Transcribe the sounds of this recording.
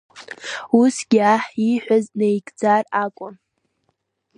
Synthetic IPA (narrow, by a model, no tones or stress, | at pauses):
usɡ̥ʲaħiħʷᶣaznejɡʼd͡zarakʷʼʊn